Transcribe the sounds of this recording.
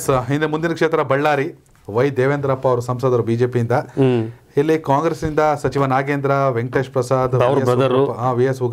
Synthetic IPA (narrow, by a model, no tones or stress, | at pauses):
sɦind̪emund̪inɐkʂeːt̪ɾɐbɐɭːaːɾi | ʋɐjd̪eːʋend̪ɐɾɐpːɐɐʋɐɾusɐmsɐːd̪ɐɾubiːd͡ʒeːpijind̪ɐ | ilːikaːŋɡɾesnind̪ɐsɐt͡ʃiʋɐnaːɡeːnd̪ɾɐʋeŋʈeːʂpɾɐsaːd̪ɐɾeɾɐd̪ɐɾpːɐaːʋijesuɡ